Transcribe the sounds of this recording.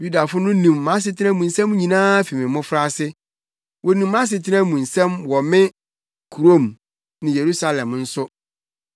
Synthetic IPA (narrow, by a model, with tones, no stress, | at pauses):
ju˦da˨fʊ˦nʊ̃˦nũ˨mːã˦s̬ɪ˨tʰɪ˦nɛ̃˦mũ˨n̩˨sɛ̃˦m˦ɲĩ˨nãː˦fi˨mɪ̃˨mʊ̃˦fɾa˦˨sɪ˦ | wʔɔ˨nũ˨mːã˦s̬ɪ˨tʰɪ˦nɛ̃˦mũ˨n̩˨sɛ̃˦mwɔ˨mɪ̃˦ | kʰu˨ɾo˦m | nɪ̃˨je˨ɾu˦sa˦lɛ̃˨mn̩˦sʊ˦